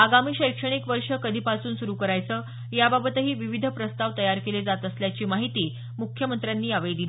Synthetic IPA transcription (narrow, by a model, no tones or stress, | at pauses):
aɡamiːɕəjkʂəɽ̃ikʋəɾʂəkəd̪ʱiːpasuːnsuɾukəɾajt͡səː | jababət̪əɦiːʋiʋid̪ʱəpɾəst̪aʋt̪əjaɾkeled͡zat̪əsljat͡ɕiːmaɦit̪iː | mukʰjəmənt̪ɾjanːiːaʋed̪il